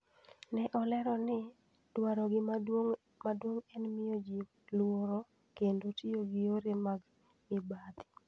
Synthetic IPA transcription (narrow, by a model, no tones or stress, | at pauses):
nɛʔɔlɛɾɔnɪ | d̥waɾɔɡɪ | madwoŋɛnmɪod͡ʒim | lwoɾo | kendotioɡɪoɾemaɡ | mɪbad̪